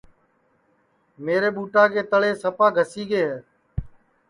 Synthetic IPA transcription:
meːɾeːɓuːʈãːkeːt̪əɭeːsəpaːɡʱəsiːɡeːɦeː

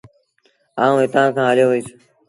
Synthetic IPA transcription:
aːũːɪt̪ãːkʰãːɦəloːʋəiːs

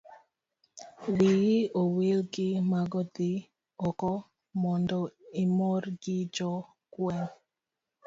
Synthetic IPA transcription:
wijɪowelɡɪmaɡɔd̪ɪ | ɔkɔ | mɔndɔimoɾɡɪd͡ʒɔ | kwɛn

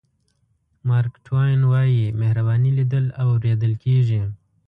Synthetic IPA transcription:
mɑːɾkʈʰwajnwɑːjimehɾabɑːnilid̪əlawɾeːd̪əlkeʐi

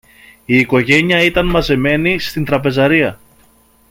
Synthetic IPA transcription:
iːko̞ʝe̞ɲiɐit̪ɐnmɐze̞me̞nist̪int̪ɾɐpe̞zɐɾiɐ

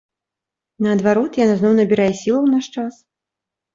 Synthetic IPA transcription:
nɐːd̪vaɾɔt̪janaznɔwnɐbʲiɾajɛsʲilˠɐwnaʂt͡ʂas

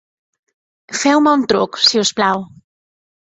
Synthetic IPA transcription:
fɛwmaunt̪ɾuksiusplaw

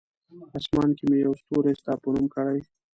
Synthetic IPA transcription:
ɑsmɑnkimejawst̪oɾest̪ɑːpənumkəɽaj

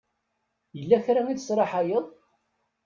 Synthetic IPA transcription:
jəlːæçɾæmiðəsɾˤɑħajəðˤ

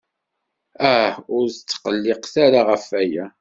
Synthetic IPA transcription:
æhʊɾθt͡sːqəlːɪqθaɾaʁəfæjæ

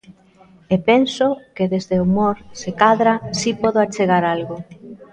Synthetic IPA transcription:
epensokeðezðeomoɾsekaðɾasipɔðʊat͡ʃeɣ̞aɾalɣo

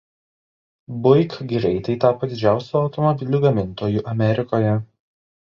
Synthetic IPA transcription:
bʊɪkɡʲɪɾʲɛɪt̪ɐɪt̪ɑːpɐd̪ʲɪd͡ʒʲæˑʊsʲuɒʊt̪ɔmɔbʲɪlʲʊɡɐmʲɪnt̪oːjuʔɐmʲɛɾʲɪkoːjɛ

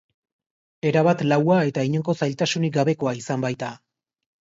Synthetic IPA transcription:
e̞ɾaβat̪lawae̞t̪aiɲeŋko̞sajlt̪asuniɡaβe̞ko̞aisambajt̪a

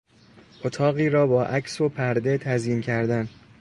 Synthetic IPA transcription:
ʔot̪ʰɒːɣiːɾɒːbɒːʔæcʰsopʰæɾd̪e̞t̪ʰæzjiːncʰæɾd̪æn

